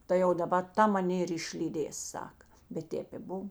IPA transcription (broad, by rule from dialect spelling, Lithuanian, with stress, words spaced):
ˈtɐɪ jɛʊ dɐˈbɐ ˈtɐ mɐˈnʲeː ɪr ɪʃʲlʲiːˈdʲeːs ˈsɑːkɐ bʲɛt ˈtʲeːp ɪ ˈbʊw